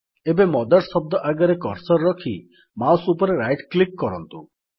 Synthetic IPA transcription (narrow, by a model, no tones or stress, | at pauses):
ebemɔd̪aɾsɔb̚d̪ɔʔaɡaɾekɔɾsɔɾːɔkʰi | mawsupɔɾeɾajʈklikːɔɾɔnt̪u